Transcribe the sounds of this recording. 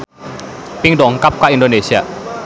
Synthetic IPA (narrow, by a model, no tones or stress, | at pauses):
piŋdɔŋkap̚kaʔindonesia